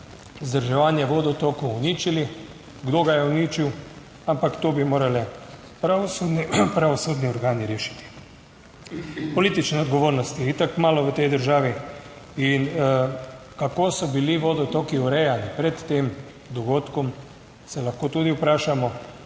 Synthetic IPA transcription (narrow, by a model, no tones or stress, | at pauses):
zd̪əɾʒɛʋaːnjɛʋoːd̪ɔt̪okɔwːnit͡ʃili | ɡd̪oːɡajɛunit͡ʃiw | ampakt̪obimoːɾalɛ | pɾasud̪nipɾaʋɔsod̪niɔɾɡaːniɾeːʃi̥t̪i̥ | pɔliːt̪it͡ʃnɛɔd̪ɡɔʋoːɾnɔst̪iit̪akmaːlɔʋət̪ɛjd̪əɾʒaːʋi | in | kakoːsɔbiliʋoːd̪ɔt̪okiɔɾɛjanipɾɛt̪ːeːm | d̪ɔɡoːt̪kɔm | sɛlɐxkoːt̪uːd̪iupɾaːʃamɔ